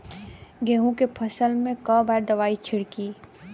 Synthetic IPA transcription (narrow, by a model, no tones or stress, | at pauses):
ɡeːɦũkepʰəsəlmẽkəbɛːɾd̪əʋaːit͡ʃʰɪɽkiː